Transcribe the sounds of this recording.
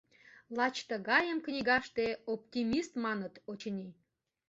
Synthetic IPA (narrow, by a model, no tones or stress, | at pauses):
lɑt͡ɕt̪əɣɑjəmknʲiɣɑʃt̪eopt̪ʲimist̪mɑnət̪ot͡ɕənʲi